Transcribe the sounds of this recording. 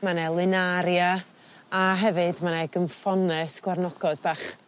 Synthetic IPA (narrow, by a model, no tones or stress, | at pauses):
manɛlˠɪnaɾja | aɦɛvɨdmanɛɡəmfɔnɛsɡ̥warnɔɡ̥ɔdbaχ